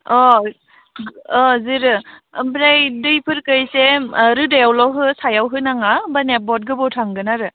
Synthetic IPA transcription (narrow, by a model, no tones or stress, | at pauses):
ɔ | ɔzɯɾɯbɾajdɯjpʰɯɾkɯjseɾɯdajawlɔwɦɯsajawɦɯnaŋabanet̚bɔt̚ɡɯbɔwtʰaŋɡɯnaɾɯ